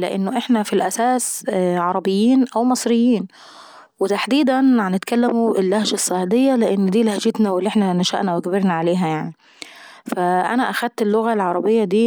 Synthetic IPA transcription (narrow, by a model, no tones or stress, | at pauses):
lɪ̰ʔɪ̰nːʊʔɪħnæfilʔæsæːsʕɑɾˤɑbɪjːiːnʔawmɑsˤɾɪjːiːn | wɪt̪aħd̪iːd̪ænʕanːɪt̪̚kalːamuʔɪlːahʒasˤːɑʕd̪ɪjːalɪʔɪnːd̪iːlhæd͡ʒɪt̪næwɪlːʔeħnænaʃa̰ʔnæwɪɡæbɪɾnaʕaleːɦæjaʕni | faʔa̰næʔaxæd̪̚t̪ɪlːʊɣalʕɑɾˤɑbɪjːad̪iː